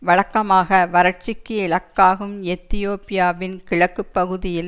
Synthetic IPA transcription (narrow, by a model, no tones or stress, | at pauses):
ʋɐɭɐkːɐmaːɣɐʋɐɾɐʈ̚t͡ʃɪkːɯɪɭɐkːaːɣɯmɛt̪ːɪjoːpɪjaːʋɪnkɪɻɐkːɯpːɐɣɯðɪjɪl